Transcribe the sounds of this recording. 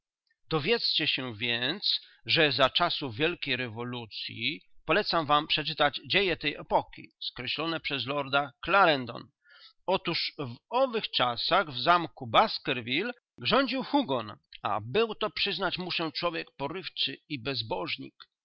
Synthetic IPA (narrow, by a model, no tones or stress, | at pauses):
d̪̥ɔvʲjɛt̪st͡ɕɛɕɛvʲjɛnt̪s | ʐɛzat͡ʂasuvʲjɛlkʲejɾɛvɔlut̪sʲjḭpɔlɛt̪samvampʂɛt͡ʂɘt̪ad͡ʑd͡ʑejɛt̪ɛjɛpɔkʲḭskɾɛɕlɔnɛpʂɛzlɔɾd̪aklaɾɛnd̪ɔ̰n | ɔt̪uʂvɔvɘxt͡ʂasaɣvzamkubaskɛɾvʲil | ɡʐɔɲd͡ʑiwxuɡɔna̰bɘwt̪ɔpʂɘznat͡ɕmuʂɛt͡ʂwɔvʲjɛk̚pɔɾɘft͡ʂɘibɛzbɔʐɲḭk